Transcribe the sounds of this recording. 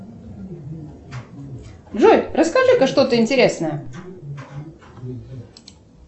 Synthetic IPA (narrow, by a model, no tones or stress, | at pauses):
ʐojʲrəskaʐɨkɐʂt̪o̞t̪əɪnʲtʲɪɾʲe̞snəjə